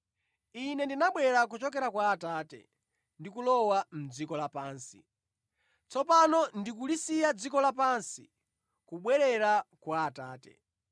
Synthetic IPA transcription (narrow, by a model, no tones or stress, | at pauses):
inɛndinaɓwɛɾak̬ut͡ʃɔkɛɾakwaːtaːtɛ̰ | ndikulɔwam̩d͡zikɔlapaːnsḭ | t͡sɔpanɔndikulisijad͡zikɔlapansi | kuɓwɛɾɛɾakwaːtaːtɛ̰